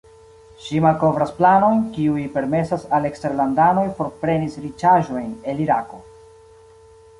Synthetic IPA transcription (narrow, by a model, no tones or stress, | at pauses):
ʃimalko̞vɾasplano̞jnkiujpe̞ɾme̞sasale̞ksteɾlandano̞jfo̞ɾpɾe̞nisɾit͡ʃaʒo̞jne̞liɾako̞